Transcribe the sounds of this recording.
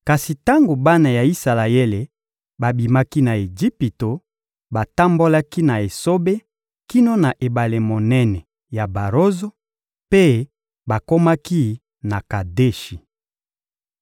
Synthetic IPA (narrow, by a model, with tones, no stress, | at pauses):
ka˨si˨ta˦ŋɡo˨ba˦na˨ja˨i˦sa˨la˨e˦le˨ | ba˨bi˨ma˦ki˦na˨e˨d͡ʒi˦pi˨to˨ | ba˨ta˦mbo˦la˦ki˦na˨e˨so˦be˦ | ki˦no˦na˨ʔe˨ba˨le˨mo˨nɛ˦nɛ˨ | ja˨ba˨ʁo˦zo˦ | pe˦ | ba˨ko˦ma˦ki˦ | na˨ka˨de˦ʃi˨